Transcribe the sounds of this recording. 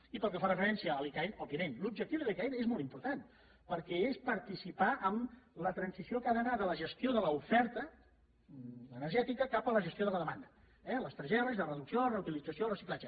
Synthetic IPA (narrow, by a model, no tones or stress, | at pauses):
ipəlˠkəfarəfəɾɛnsiəːlikainɔbiəmenlub̚d͡ʒək̚t̪iuwðəðikainezmɔlˠt̪impuɾt̪an | pəɾkɛespəɾt̪isipaʔəmlət̪ɾənsisiokaðənaðələʒəst̪ioðələufɛɾt̪ə | ənəɾʒɛt̪ikəkapələʒəst̪ioðələðəmand̪ə | ɛləst̪ɾʒɛɾəzðərəðuksiorəut̪ilid͡zəsiolrəsiklˠad͡ʒə